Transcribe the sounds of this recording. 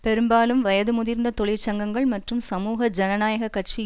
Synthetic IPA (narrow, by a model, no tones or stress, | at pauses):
pɛɾɯmbaːlɯmʋɐjɐðɯmʊðɪɾnd̪ɐt̪ɔɭɪɾt͡ʃɐŋɡɐŋɡɐɭmɐʈrɯmsɐmuːɣɐd͡ʒɐnɐnaːjɐɣɐkːɐʈ̚t͡ʃi